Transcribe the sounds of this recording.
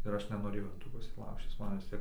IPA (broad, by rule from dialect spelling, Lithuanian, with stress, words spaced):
ɪr ˈɐʃ nʲɛnoːˈrʲeːjɛʊ ɪn ˈtuː ˈpʊsʲiː ˈlˠɐʊʃʲt͡ʃʲɪs ˈmɐn ʋʲɪs ˈtʲiɛk